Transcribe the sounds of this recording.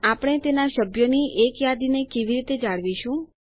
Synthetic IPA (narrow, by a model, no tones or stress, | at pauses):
apɽ̃et̪enaʃəbʱjoniʔekjad̪inekeʋiɾit̪ed͡ʒaɭʋiʃũ